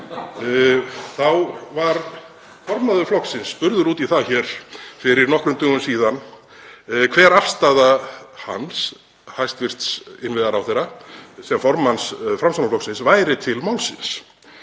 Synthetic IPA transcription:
θawvaɾ | fɔɾmaðʏflɔksɪnsːpʏɾðʏɾuːt̪iθaçɛɾ̥fɪɾɪɾnɔhkɾʏmt̪ʏːɣʏmsiːðan | kʰvɛːɾafst̪aðaha̰ns | hajst̪vɪr̥st̪sɪnvɪðaɾawθejɾasɛmfɔɾmansfɾamsanaflɔksɪnsvaːjɾɪt̪ʰɪlmawlsɪ̰ns

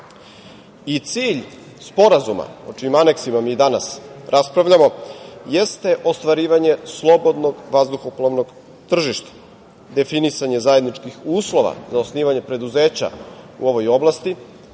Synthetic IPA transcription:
it̪siːʎ | spo̞ɾazuma̰ot͡ʃiimane̞ksimamiːd̪anasɾʔaspɾaʋʎamo̞jest̪e̞ʔo̞st̪ʋaɾiːʋaɲe̞slˠo̞bo̞d̪no̞ɡʋazd̪uxoplˠoʋno̞ɡ | t̪r̩ʒiʃt̪ḁ | d̪e̞finisaɲe̞zaje̞d̪nit͡ʃkixuːslˠo̞ʋa̰zaosniːʋaɲe̞pɾe̞d̪uze̞ːt͡ɕa̰ṵo̞ʋo̞jo̞blˠast̪i

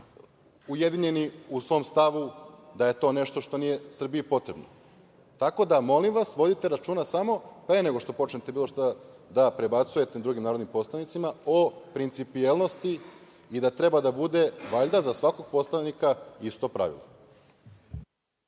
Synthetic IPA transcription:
uje̞d̪iɲe̞niusʋo̞mst̪aʋud̪aje̞t̪o̞ːne̞ʃt̪oʃt̪o̞nije̞sr̩biipo̞t̪ɾe̞bno̰ | t̪ako̞d̪amo̞limʋasʋo̞d̪it̪e̞ɾat͡ʃuːnasamo̞pɾe̞neɡo̞ʃt̪o̞po̞t͡ʃɲʲet̪e̞biːlˠo̞ʃt̪ad̪apɾe̞bat̪suje̞t̪ed̪ɾuɡimnaːɾod̪nimpo̞slˠanit̪simao̞pɾint̪sipielnost̪i | id̪at̪ɾe̞bad̪abud̪e̞ʋaʎd̪azasʋako̞ɡ̚po̞slˠanikaist̪o̞pɾa̰ʋḭlˠo

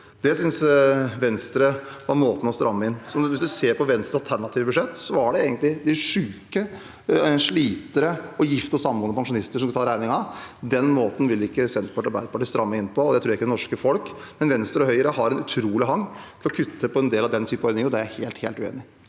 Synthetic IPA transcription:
d̪ɛsʏnsʋɛnst̪ɾəʋɑɾmoːt̪n̩ɔst̪ɾʔɑmːəɪnːsɔʋɪsd̪ʉseːɾpʰɔʋɛnst̪ɑlt̪ʰæɳɑt̪ʰiːʋəbʉʂɛt̪ːsɔæɖɛeːɡənt̪lɪd̪ɪʂʉːkə | ʂɭiːt̪əɾəɔjɪft̪əɔsɑmːuːnəpʰɑŋʂʊnɪst̪əʂɔmkt̪ʰɑːɾæɪnɪŋɑd̪ɛnmoːt̪n̩ʋɪlɪkːəsɛnpʰɔʈɑɾbæɪd̪əpʰɑʈiːst̪ɾɑmːəɪnːpʰɔɔd̪ɛɪt̪ʰɾuːɾɪkːəɛnɔʂkəfɔlk | mɛnʋɛnst̪ɾəɔɦœʏəɾəɦɑɾɛnʉt̪ʰɾuːlɪɦɑŋːt̪ʰɪlɔkʰʉt̪ːəpʰɔɛnd̪eːlɑʋd̪ɛnt̪ʰyːpənɔʏnɪŋəɾɔd̪ɛææheːlt̪heːlt̪ʉḛːnɪ

